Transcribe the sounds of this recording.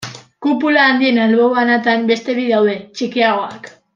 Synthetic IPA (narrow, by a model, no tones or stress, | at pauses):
kupulaːnd̪ie̞nalβo̞βanat̪ambe̞st̪e̞βiðawðe̞t͡ʃikiaɣ̞o̞ak